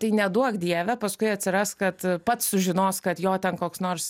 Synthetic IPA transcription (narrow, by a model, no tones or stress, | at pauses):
t̪ɐɪnʲɛd̪uɔkd̪ʲiɛʋʲɛpɐskʊɪɐt̪ʲsʲɪɾɑskɐt̪pɐt̪ssʊʒʲɪnoːskɐt̪joːt̪ʲɛnkoːksnoːrs